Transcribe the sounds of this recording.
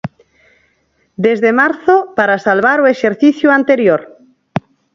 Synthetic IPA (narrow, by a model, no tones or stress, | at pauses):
d̪ezðemaɾθopaɾasalβaɾueʃeɾθiθjuant̪eɾjoɾ